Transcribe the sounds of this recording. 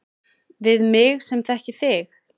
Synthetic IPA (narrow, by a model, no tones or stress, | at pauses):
vɪðmɪɣsɛmθɛhcɪθɪx